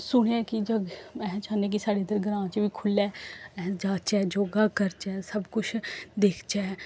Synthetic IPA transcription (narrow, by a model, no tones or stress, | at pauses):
sʊɽ̃ãkid͡ʒɐɡɛ̃t͡ʃaːnek̬isaːɽed̪əɾɡɐɾãːt͡ʃbʱikʰʊlɛːɛːd͡ʒaːt͡ʃɛd͡ʒoːɡakəɾt͡ʃɛːsɐbkʊt͡ʃʰd̪eːkʰt͡ʃa